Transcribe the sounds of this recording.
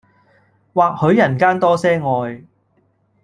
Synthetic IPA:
waː˨k̚hɵ˨˥ɥjɐ˨˩nkaː˥nt̪ɔː˥sɛː˥ŋɔː˨j

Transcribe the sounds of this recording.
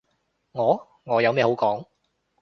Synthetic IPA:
ŋɔː˨˧ | ŋɔː˨˧jɐ˨˧wmɛː˧ho˨˥wkɔː˨˥ŋ

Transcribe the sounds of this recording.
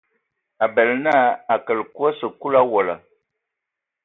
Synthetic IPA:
a˨bɛ˨lna˦a˨kə˨lku˦ə˦sə˨ku˦la˦wɔ˨la̰˨

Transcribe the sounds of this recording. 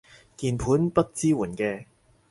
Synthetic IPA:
kiː˨˩npʰuː˨˥npɐ˥t̚t͡siː˥wuː˨˩nkɛː˧

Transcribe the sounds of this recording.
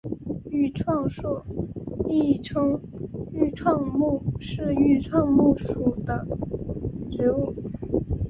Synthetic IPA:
y˥˧ʈ͡ʂʰwɑ˥˧ŋʂwɔ˥˩ | i˥˩ʈ͡ʂʰɤ˥ŋy˥˧ʈ͡ʂʰwɑ˥˧ŋmu˥˩ʂɻ̩˥˧y˥˧ʈ͡ʂʰwɑ˥˧ŋmu˥˩ʂu˨˩d̪ə˦ | ʈ͡ʂɻ̩˧˥u˥˩

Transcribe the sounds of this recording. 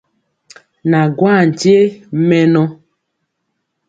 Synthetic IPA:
na˨ɡwa˦˨n̩˨te˦mɛ˦nɔ˦

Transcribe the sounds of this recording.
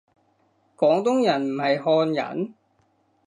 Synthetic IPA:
kɔː˨˥ŋt̪ʊ˥ŋjɐ˨˩nm̩˨˩hɐ˨jɦɔː˧njɐ̰˨n

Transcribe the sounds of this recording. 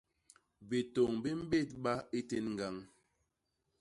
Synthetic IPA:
be˨to˨ŋbi˦m̩˦be˦˨t̚ɓa˦i˦te˦nŋ̩˨ɡa˦˨ŋ

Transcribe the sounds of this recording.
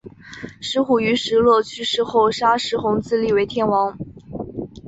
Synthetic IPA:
ʂɻ̩˧˥xu˨˩y˧˥ʂɻ̩˧˥lwɔ˥˧t͡ɕʰy˥ʂɻ̩˥˧xo˥˩ʊʂa˥ʂɻ̩˧˥xʊ˧˥ŋt͡sɹ̩˥˧li˥˩we˧˥ɪt̪ʰjɛ˥˩nwɑ˧˥ŋ

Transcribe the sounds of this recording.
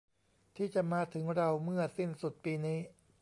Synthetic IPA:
t̪ʰiː˥˩t͡ɕa˨˩maː˧t̪ʰɯ˩˦ŋɾa˧wmɯ˥˩ɐsi˥˩nsu˨˩t̪̚piː˧niː˦˥

